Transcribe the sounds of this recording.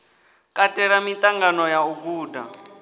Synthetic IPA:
kʼatʼɛɺamit̪ʼaŋɡanɔjauɡuːda̰

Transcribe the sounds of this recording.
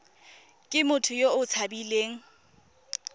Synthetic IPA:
kʼɪmʊtʰʊjoʊt͡sʰabileːŋ̩

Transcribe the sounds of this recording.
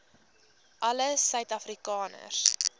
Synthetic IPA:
ʔɐləsœɥtɐfrikɑːnə̰rs

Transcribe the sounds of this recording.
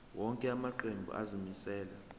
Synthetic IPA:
wɔŋkʼɛamaǃembʱṵʔa̰zimisɛːla

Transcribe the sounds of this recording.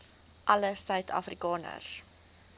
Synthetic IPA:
ʔɐləsœɥtʰɑ̰frikɑːnə̰s

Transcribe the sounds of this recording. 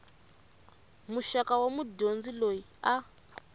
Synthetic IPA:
muʃakawamuɟond͡zilojia

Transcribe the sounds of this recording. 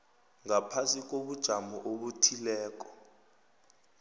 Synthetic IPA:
ŋapʰasik̬ʼoɓud̥ʒ̥ʱamɔʔoɓutʰilɛːk̬ʼɔ̥

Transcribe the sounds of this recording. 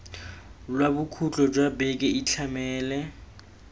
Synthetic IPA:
lwabukʰut͡ɬʼɔd͡ʒwabɛkʼɛit͡ɬʰamɛːlɛ

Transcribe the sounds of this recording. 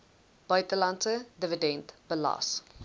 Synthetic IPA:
b̥œɥtəlɐntsədəvədɛntbəlɑ̰s

